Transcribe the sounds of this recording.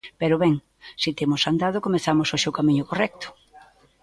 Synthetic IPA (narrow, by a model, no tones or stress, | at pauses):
peɾʊβɛŋ | sit̪emʊsand̪aðʊkomeθamosoʃeowkamiɲʊkorɛk̚t̪ʊ̥